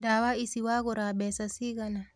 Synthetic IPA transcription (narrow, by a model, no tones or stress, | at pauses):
dawaisiwaɡɔɾabɛsasiɡana